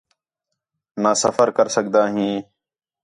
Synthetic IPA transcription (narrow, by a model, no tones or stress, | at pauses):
naːsəfəɾkəɾsəkd̪aːɦĩː